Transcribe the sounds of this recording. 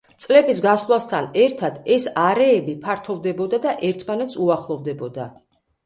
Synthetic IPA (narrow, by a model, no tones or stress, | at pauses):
t̪sʼlɛbisɡaslˠast̪ʰanɛɾt̪ʰad̪̥ɛsaɾɛːbipʰaɾt̪ʰɔvd̪ɛbɔd̪ad̪aʔɛɾt̪ʰmanɛt̪sʰuaχlˠɔvd̪ɛbɔd̪a